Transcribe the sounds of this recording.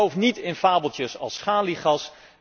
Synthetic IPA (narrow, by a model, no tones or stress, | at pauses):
owfnitɪnfaːbəlˠtjəsɑ̰lˠsχaːliχɑs